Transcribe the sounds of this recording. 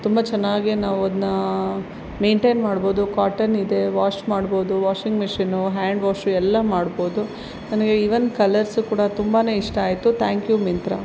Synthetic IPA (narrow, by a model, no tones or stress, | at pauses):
t̪umbɐt͡ʃɛnːaːɡinaːʋuɐd̪nɐ | me̞ːɳʈeːnmaːɽbo̞ːd̪ukaːʈɐnid̪e̞ʋaːt͡ʃmaːɽbo̞ːd̪uʋaːʂiŋɡmiʂinuɦaːɳɖʋaːʂuɛlːɐmaːɽbo̞ːd̪u | nɐnɐɡeiʋɐnd̪kɐlɐɾsukuːɽɐt̪umbaːne̞ːiʂʈɐːjt̪ut̪ʰaːŋkjumint̪ɾɐ̰